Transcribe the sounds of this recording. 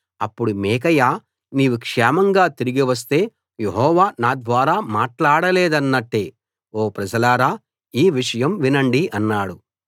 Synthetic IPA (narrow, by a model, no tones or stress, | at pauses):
ɐpːuɽumɛːk̬ɐjaː | niːʋukʂɛːmɐŋɡaːt̪iɾiɡiʋɐs̬t̪e̞ː | jeɦɔːʋaːnaːd̪ʋaːɾaːmaːʈlaːɽɐleːd̪ɐnːɐʈːe̞ː | oːpɾɐd͡ʒɐlaːɾaː | iːʋiʂɐjɐmʋinɐɳɖiʔɐnːaːɽu